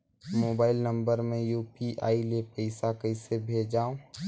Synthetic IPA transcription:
moːbaːɪlnə̃mbəɾmẽjuːpiʔa̰ːilepəɪsakəɪsebʱeːd͡ʒaːõ

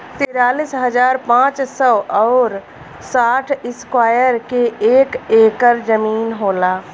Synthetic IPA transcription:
t̪ɪɾaːliːsɦəd͡ʒaːɾpãːt͡ʃsɔɔːɾ | saːʈʰɪskwaːjəɾkeeːkeːkəɾd͡ʒəmiːnɦoːlaː

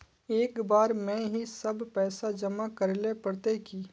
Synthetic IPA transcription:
eːkbaːɾmɛ̃ɦisɐbpɛːsad͡ʒɐmakɐɾlepɐɾt̪eki

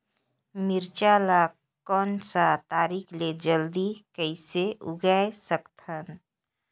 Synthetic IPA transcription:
mɪɾt͡ʃaːla | kɔːnsat̪aːɾiːkʰled͡ʒəld̪ikəɪseʊ̰ɡaesəkt̪ʰən

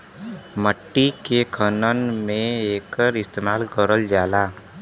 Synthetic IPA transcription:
məʈːikekʰənənmẽeːkəɾɪst̪eːmaːlkəɾəld͡ʒaːlaː

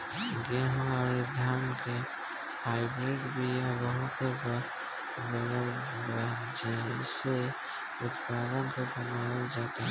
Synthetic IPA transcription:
ɡeɦõaɾid̪ʱaːmke | haːɪbɾeɖbʱijabəɦʊt̪ɦeb | bəɡəɾ | a | d͡ʒese | ʊt̪pad̪ənkobʊnawd͡ʒaːt̪aɦɛ

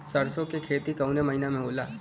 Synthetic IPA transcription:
sɐɾsõkekʰeːt̪ikɐunemɐɦinamẽɦoːla̰ː

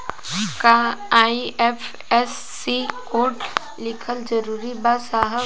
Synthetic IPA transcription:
kaaːiɛpʰ | ɛsːikoːʈ | lɪkʰəld͡ʒəɾuːɾibasaːɦə

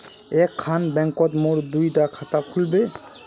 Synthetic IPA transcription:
ɛkʰːanbɛŋkɔt̪moɹd̪ujdakʰat̪akʰulbe

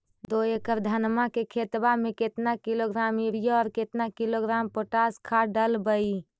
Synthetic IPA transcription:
d̪oekəɾd̪ʱənmakekʰet̪bameket̪nakiloɡɾamiɾijoɔːɾket̪nakiloɡɾampoʈaskʰaɖəlbəi

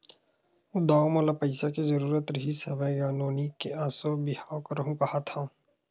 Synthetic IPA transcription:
ud̪aːmɔːlapɐɪsakizɐɾuːɾət̪ɾəɦisɐbəjjaːnoːnikeaːsobɪhaːokɐɾɦũkɐhat̪ʰã

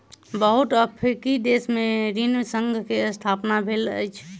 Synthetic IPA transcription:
bəɦut̪əpʰɾikid̪esmeɾinsəŋɡʱkeəst̪ʰapnabʱelə̰jt͡ʃʰ

